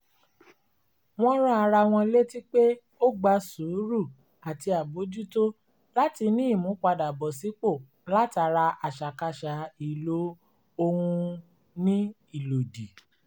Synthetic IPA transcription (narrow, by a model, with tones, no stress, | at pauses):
w̃ɔ̃˦ɾa˦a˧ɾa˧w̃ɔ̃˧˦le˦ti˦k͡pe˦ | o˦ɡ͡ba˧su˨˦ɾu˦˨ | a˨ti˧a˨bo˨˦d͡ʒu˦to˦ | la˦ti˧nĩ˦i˦˨mũ˨˦k͡pa˧da˨bɔ˨si˨˦k͡po˦˨ | la˦ta˨˧˦ɾa˧a˨ʃa˨ka˧ʃa˨i˨lo˨˦ | o˧hũ˧ | nĩ˦ | i˦˨lo˨di˨